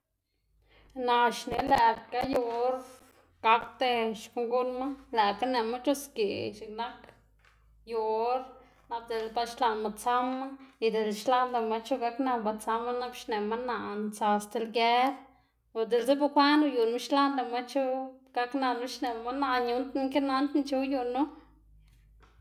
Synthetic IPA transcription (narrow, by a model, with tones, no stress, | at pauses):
na˧ʃne˨lɛ˨ka˦ju˧ɾ | ɡ̥a˧kt̪e˧ʃku˧ŋɡu˦nma˦læ˨ka˦ne˧ma˦t͡ʃu˦skḛ˨ʃe˨kna˦k | jo˧ɾ | na˧b̚d̪e˨lba˧ʃla˧nma˧t͡sa˦ma˦i˧˨d̪e˨lʃla˦nla˧ma˧t͡ʃu˦ɡa˧kna˧ba˧t͡sa˧mːa˦na˦bʃne˨ma˦na˧˨nt͡sa˧st̪e˧lɡe˦ɾ | o˨d̪e˨lse˦ba˧kʷa˦nu˧ju˨nma˦ʃla˦nla˧ma˦t͡ʃo˦ɡ̥a˧kna˧nu˦ʃne˨ma˦na˧ɲu˦nt̪ŋke˦na˦nt̪nt͡ʃu˧ju˧nu˦